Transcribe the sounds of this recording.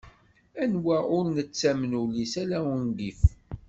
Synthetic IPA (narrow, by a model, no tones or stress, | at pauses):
ænwæʊɾnət͡sːæmnulisælæwənɡif